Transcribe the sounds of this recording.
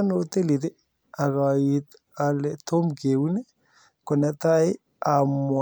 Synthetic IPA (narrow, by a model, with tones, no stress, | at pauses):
no˨t̪e˦li˨te˦ | a˨ɣa˨it̪ | a˨letʰo˦mke˨wu˦ne˦ | ko˨na˦t̪a˦j | a˨mw